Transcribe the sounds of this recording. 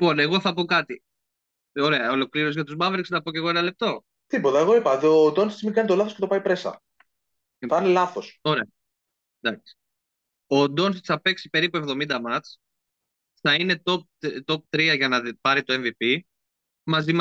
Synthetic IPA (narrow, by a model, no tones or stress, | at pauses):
ipo̞ne̞ɣo̞θɐpo̞kɐt̪i | o̞ɾeɐo̞lo̞kliɾo̞s̬ʝɐt̪uzmɐveɾksnɐpoce̞ɣo̞enɐle̞p̚t̪o̞ | t̪ipo̞t̪ɐe̞ɣo̞ipɐðod̪o̞nsi̥t͡smikɐnit̪o̞lɐθoce̞t̪o̞pɐipɾe̞sɐ̰ | ɐnilɐθoso̞ɾeɐ | d̪ɐksi̥ | o̞d̪o̞nsi̥sθɐpe̞ksipe̞ɾipue̞vðo̞mind̪ɐmɐt͡s | θɐinet̪o̞p̚t̪o̞p̚t̪ɾiɐʝɐnɐpɐɾit̪o̞e̞ɱvipi | mɐzim